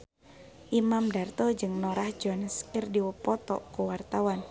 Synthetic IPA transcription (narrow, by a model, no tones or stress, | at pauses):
ʔimamdart̪ɔd͡ʒɨŋnɔɾahd͡ʒɔanəskɪrdiwəpɔt̪ɔkuwart̪awan